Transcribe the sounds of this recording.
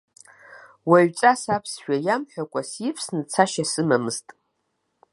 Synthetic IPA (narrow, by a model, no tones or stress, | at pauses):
waɥt͡sʼasapʰsʃᶣajamħᶣakʷʼasipʰsnɨt͡sʰaʃasɨmamɨztʼ